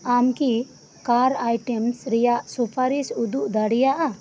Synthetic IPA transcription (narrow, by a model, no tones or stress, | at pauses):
amki | kaɾajʈɛmsɾɛjaʔsupʰaɾisud̪uʔd̪aɽijaʔa